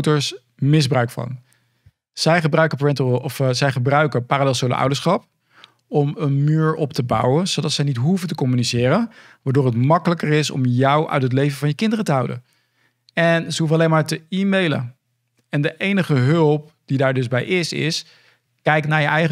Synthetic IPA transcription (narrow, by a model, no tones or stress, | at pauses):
wtəɹs | mɪzbrœɥkfɑ̰n | z̥ɛjχəbrœɥkəpɹɛntɔfzɛjχəbrœɥkəpaːralɛlˠsolə̰wdəɹsχɑp̚ | ɔmənmyːɹɔptəbɑ̰wənzodɑtsəjnitɦuvəntəkɔmynizɪːɾən | ʋaːɹdoːɹɦətmɑkələkərɪsɔ̰mjɑwʔœ̰ɥtɦətlejvəvɑnjəkɪndərətəɦɑwdə̰n | ɛnzəɦuvənɑlejnmaːɹtəiːmejlə̰ | ɛndəʔejnəχəɦɵlˠp̚ | d̥idaːɹdɵzbɛjʔɪsɪ̰s | kɛjknaːɹjəʔɛjχə